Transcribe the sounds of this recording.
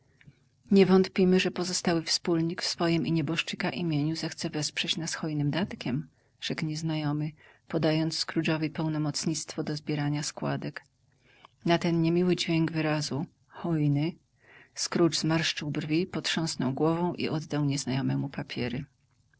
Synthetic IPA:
ɲɛvɔnt̪pʲimɘʐɛpɔzɔst̪awɘfspulɲikfsfɔjimʔiɲɛbɔʂt͡ʂɘkaʔimʲjeɲuzɛxt̪sɛvɛspʂɛt͡ɕnasxɔjnɘmd̪at̪kʲɛm | ʐ̥ɛkɲɛznajɔmɘpɔd̪ajɔnt̪sskɾuʐɔvɘpɛwnɔmɔt̪sɲit̪st̪fɔd̪ɔzbʲjɛɾaɲaskwa̰d̪ɛk | nat̪ɛnɲemʲiwɘd͡ʑvʲjeŋɡvɘɾazu | xɔjnɘ | skɾud͡ʐzmaɾʂt͡ʂɘwbrvʲipɔt̪ʂɔ̃w̃snɔwɡwɔvɔ̃w̃ʔḭʔɔd̪ːawɲɛznajɔmɛmupapʲjɛɾɘ

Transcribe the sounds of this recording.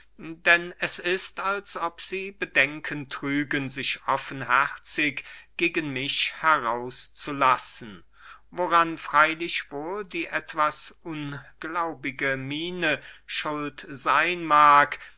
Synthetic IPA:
d̥ɛnɛsɪstalsʔɔpz̥iːbədɛŋkʰəntʁ̥yːɡənzɪçʔɔfən̩ɦɛʁt͡sɪkɡ̥eːɡənmɪçhɛʁaʊst͡sulasn̩ | voʁanfʁ̥aɪlɪçv̥oːldiːʔɛtv̥asʔʊnɡ̥laʊbɪɡəmiːnəʃʊltz̥aɪnmaːɐk

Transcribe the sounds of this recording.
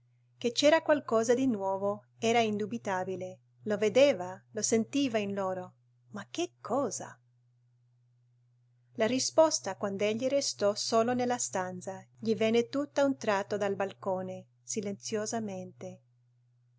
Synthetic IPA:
ket͡ʃɛːɾakwalkɔːzad̪inwɔːvo | ɛːɾaind̪ubit̪aːbile | loved̪eːvalosent̪iːvainloːɾo | mak̟ːekʰːɔːza̰ | larispɔst̪akwand̪oeʎːirest̪ɔsoːlonelːast̪ant̪saʎivɛnːet̪ut̪ːaunt̪ɾat̪ːod̪albalkoːne | silent̪sjozament̪e

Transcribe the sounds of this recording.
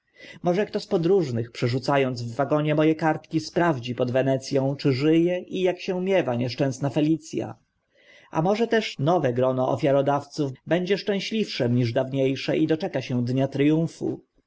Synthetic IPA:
mɔʐɛkt̪ɔspɔd̪ɾuʐnɘxpʂɛʐut̪sajɔnd̪zvːaɡɔɲɛmɔjɛkaɾt̪kʲispɾavd͡ʑipɔd̪vɛnɛt̪sʲjɔ̃w̃t͡ʂɘʐɘjɛʔijakɕɛmʲjɛvaɲɛʂt͡ʂɛ̃w̃snafɛlʲit̪sʲja̰ | ʔa̰mɔʐɛt̪ɛʂnɔvɛɡɾɔnɔʔɔ̰fʲjaɾɔd̪aft̪suvbɛɲd͡ʑɛʂt͡ʂɛ̃w̃ɕlʲifʂɛmɲiʐd̪avɲejʂɛʔid̪ɔt͡ʂɛkaɕɛ̃d̪ɲat̪ɾɘjũwfṵ

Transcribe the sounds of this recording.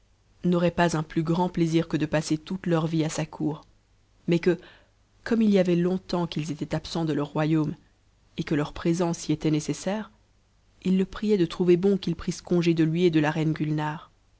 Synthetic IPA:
nɔʁɛpazɛ̃plyɡʁɑ̃pleziʁkəd̪əpaset̪ut̪lœʁviasakʰuːʁ | mɛkə | kɔmiliavɛlɔ̃t̪ɑ̃kilzet̪ɛt̪apsɑ̃d̪əlœʁːwajom | ekəlœʁpχezɑ̃siet̪ɛnesesɛːʁ | ilːəpχijɛd̪ət̪χuvebɔ̃kilpχiskɔ̃ʒed̪əlɥied̪əlaʁɛnɡʲylnaʁ

